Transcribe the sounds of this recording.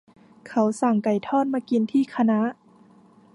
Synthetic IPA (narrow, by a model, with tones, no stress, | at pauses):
kʰa˦˥wsa˨˩ŋka˨˩jt̪ʰɔː˥˩˨t̪̚maː˧˥ki˧nt̪ʰiː˧˥˩kʰa˧na˧˦˥ʔ